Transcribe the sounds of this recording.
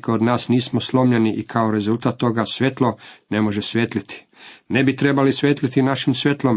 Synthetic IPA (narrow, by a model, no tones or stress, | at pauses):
keod̪naːsniːsmoslˠo̞mʎeniʔikʰao̞ɾe̞zult̪at̪ːo̞ɡasʋje̞t̪lˠo̞ne̞mo̞ʒesʋjet̪lit̪ʰi̥ | ne̞bit̪ɾe̞balisʋʲjet̪lit̪inaʃimsʋʲje̞t̪lˠo̞m